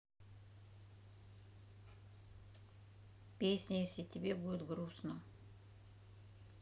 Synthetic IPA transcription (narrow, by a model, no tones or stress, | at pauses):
pʲesʲnʲəjesʲlʲɪtʲɪbʲebudʲɪt̪ɡɾusnə